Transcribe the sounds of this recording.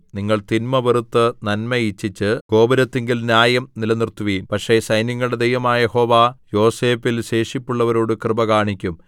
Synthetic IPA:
niŋːɐɭt̪inmɐʋerut̪ːɨnɐnmɐit͡ɕːit͡ɕːɨɡ̥o̞ːbɐɾɐt̪ːeŋɡilnjaːjɐmnilɐnirt̪ːuʋijmpɐkʂe̞sɐjniŋːɐɭɨɽe̞d̪ejʋɐmaːjeho̞ːʋaːjo̞ːseːfilɕe̞ːʂipːuɭːɐʋɐɾo̞ːɽɨkrɨbɐkaːɳikʲːum

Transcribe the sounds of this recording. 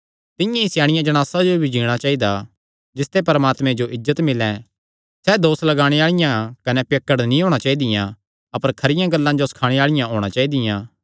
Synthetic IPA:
t̪ɪ̃jãɪsjaːɽ̃ɪjãd͡ʒɐɽ̃aːsad͡ʒobʱid͡ʒiːɽ̃at͡ʃaːid̪a | d͡ʒɪst̪epɐɾəmaːt̪mɛ̃d͡ʒoʔɪzːət̪mɪlɛ̃ | sɛd̪oːslɐɡaːɽ̃eaːɭɪjãkɐnɛpjekːəɽnĩɦoːɽ̃at͡ʃaːid̪ɪjã | ɐpəɾkʰɐɾɪjãɡɐlːãd͡ʒosɐ̥kʰaːɽ̃eaːɭɪjãɦoːɽ̃at͡ʃaːid̪ɪjãː

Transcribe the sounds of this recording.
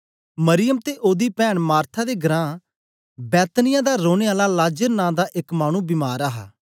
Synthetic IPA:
məɾɪjəmt̪eːʔoːd̪iːpɛːɳmaːɾt̪ʰaːd̪eːɡəɾãː | bɛːt̪nɪjãːd̪aːɾoːneːaːlaːlaːd͡ʒəɾnãːd̪aːʔɪkmaːñũːbɪmaːɾaːɦa̰ː

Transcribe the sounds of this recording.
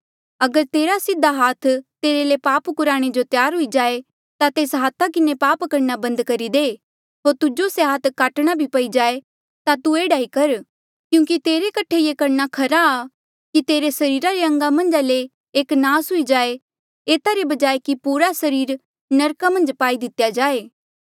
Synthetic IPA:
ɐɡəɾt̪eːɾasɪd̪ʱːaɦaːt̪ʰt̪eːɾelepaːpkʊɾaːɽ̃ed͡ʒot̪jaːɾɦʊid͡ʒaːe | t̪at̪eːsɦaːt̪ʰakɪnepaːpkɐɾnabɐ̃nd̪kɐɾid̪eː | ɦoːɾt̪ʊd͡ʒoseɦaːt̪ʰkaːʈɽ̃abʱipɐid͡ʒaːe | t̪at̪ueːɽaːikɐɾ | kjũːkit̪eːɾekɐʈʰejekɐɾnakʰɐɾaː | kit̪eːɾesɐɾiːɾaɾeɐ̃ŋɡamɐ̃nd͡ʒale | eːknaːsɦʊid͡ʒaːe | eːt̪aɾebɐd͡ʒaːekipuːɾasɐɾiːɾ | nɐɾkamɐ̃nd͡ʒpaːid̪ɪt̪jad͡ʒaːeː

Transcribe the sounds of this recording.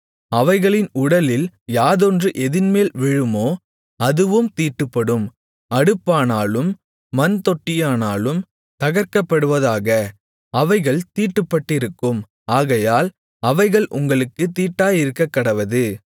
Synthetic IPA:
ɐʋɐɪɣɐɭɪnʊɽɐlɪljaːðɔndrɯʔɛðɪnmeːlʋɪɻɯmoː | ɐðɯʋɯmt̪iːʈːɯpːɐɽɯm | ɐɽɯpːaːnaːlɯmː | ɐnt̪ɔʈːɪjaːnaːlɯm | t̪ɐɣɐɾkɐpːɐɽɯʋɐðaːɣɐ | ɐʋɐɪɣɐɭt̪iːʈːɯpːɐʈːɪɾɯkːɯm | aːɣɐjaːl | ɐʋɐɪɣɐɭʔʊ̰ŋɡɐɭɯkːɯt̪iːʈːaːjɪɾɯkːɐkːɐɽɐʋɐðɯ

